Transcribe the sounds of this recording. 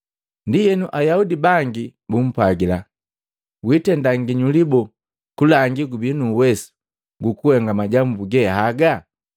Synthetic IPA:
ndijɛnuʔajaudibaŋɡibum̩pwaɡila | witɛndaŋɡiɲulibɔ | kulaŋɡiɡubinuwɛsu̥ | ɡukuhɛŋɡamaɟambuɡɛhaɡa

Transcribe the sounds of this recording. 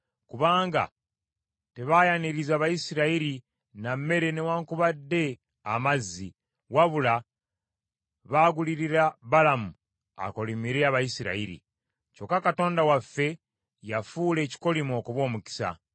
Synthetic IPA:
kuβaːŋɡa̰ | te̞βajaniɾizaːβajisiɾaiɾi | name̞ɾe̞ne̞waːŋkuβadːe̞ | a̰mazːi | waβula | βaɡuliɾiɾaβalamu | a̰ko̞limiɾeaβajisiɾa̰iɾḭ | co̞kːakato̞ːndawafːe̞ | jafuːle̞ːci̥ko̞limo̞kuβwo̞ːmuki̥sa̰

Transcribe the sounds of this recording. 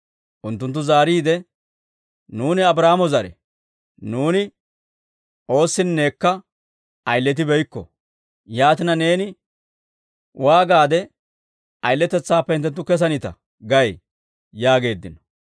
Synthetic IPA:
ʔʊnt̪ːʊnt̪ːʊzaːɾiːd̪ɛ | nuːnɪɐbɾaːmɔzɐɾɛ̰ | nuːnɪ | ʔo̞ːsːɪnːeːkːɐ | ʔɐjlːɛt̪̬ɪbɛjkːɔ̰ | jaːt̪ɪnɐne̞ːnɪ | waːɡaːd̪ɛ | ʔɐjlːɛt̪ɛt͡sːaːpːɛɪnt̪ɛnt̪ːʊkɛs̬ɐnɪt̪ɐ̰ | ɡɐj | jaːɡe̞ːd̪ːɪnɔ̥

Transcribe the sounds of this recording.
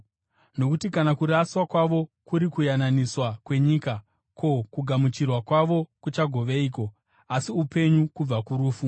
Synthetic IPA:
no̞kutikanakuɾaswakwaʋo̞kuɾikujananiswakwe̞ɲiːka | kʰo̞kuɡʱamut͡ʃirwakwaʋo̞kut͡ʃaɡʱo̞ʋeiːko̞ | asiupe̞ɲukub͡vakuɾuːfu

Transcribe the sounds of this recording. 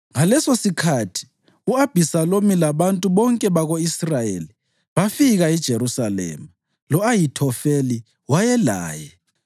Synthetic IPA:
ŋalɛsosikʰatʰi̥ | uab̥ʱisalomilaβantʼuβɔŋkʼɛβaɣoisrajḛli | βafiɣaid̥ʒ̥ʱeɾusalɛ̰ma | lɔajitʰɔfeli | wajɛla̰ːjɛ

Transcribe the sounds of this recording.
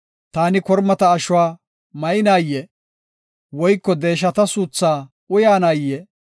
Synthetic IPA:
t̪aːnɪkɔɾmɐt̪ɐːʃʊwaː | mɐjɪnaːjːɛ | wɔjkːɔd̪e̞ːʃ̬ɐt̪ɐsuːt͡sːaː | ʊjaːnaːjːɛ

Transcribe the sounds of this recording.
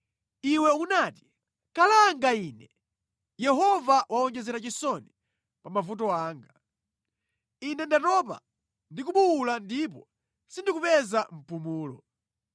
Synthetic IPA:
iwɛunaːti̥ | kalaːŋɡaiːnɛ | jɛɦɔvawʔaɔŋd͡ʒɛzɛɾat͡ʃisɔni | pamavut̬ɔaːŋɡa | inɛndatɔp̬a̰ | ndikuɓuwulandip̬ɔ | sindikupɛzam̩pumuːlɔ̰

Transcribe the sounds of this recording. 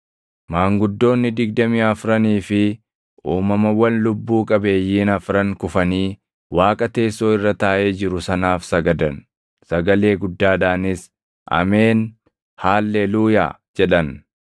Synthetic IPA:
maːŋɡʊd̪ːo̞ːnːɪd̪ɪɡd̪ɐmiːɐfɾɐniːfɪ | ʔuːmɐmɐwɐnlʊbːuːkʼɐbe̞ːjːiːnɐfɾɐŋkʊfɐniː | waːkʼɐt̪e̞ːsːo̞ːɪrːɐt̪aːʔe̞ːd͡ʒɪɾʊsɐnaːfsɐɡɐd̪ɐn | sɐɡɐle̞ːɡʊd̪ːaːd̪aːnɪs | ʔɐ̰me̞ːn | haːlːeluːja̰ː | d͡ʒɛᶑɐn

